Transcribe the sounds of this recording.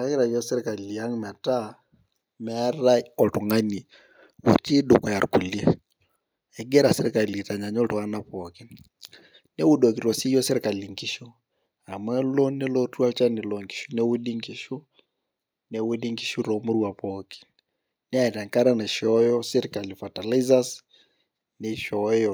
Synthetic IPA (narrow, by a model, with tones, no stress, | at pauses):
ɾa˦kɪ˦ɾa˨jɔ˦sɪ˦ɾka˨li˨a˦ŋma˨ta˦ | mɛ˦a˦ɾa˦ɔ˨tʊ˨ŋa˦ni˨ | wṵ˨ti˦dʊ˨kɔ˨ja˨ɾku˨lje˦ | ɛ˨ɡe˦ɾa˨sɪ˦ɾe˦ka˨li˨ta˨ɲa˨ɲɔ˦tu˨a˦na˨pɔ˨ki˦n | ne˦wu˦do˨ki˨ɾɔ˨si˦jɔ˦sɪ˦ɾka˨li˨ŋɡi˦ʃu˦ | a˨mwɛ˦lɔ˦ne˦lɔ˦twa˦t͡ʃa˦ne˨lɔ˨ŋɡi̥ʃu˦nɛ˦wu˦di˦ŋɡi˦ʃu˦ | nɛ˦wu˦di˦ŋɡi˦ʃu˦ɾɔ˨mo˦ɾwa˨pɔki̥˨n | ne˦a˦˨ta˨ŋka˦ɾa˦na˨ʃɔjɔ˦si˦ɾika˨lifa˨ta˨li˦za˦s | neʃɔjɔ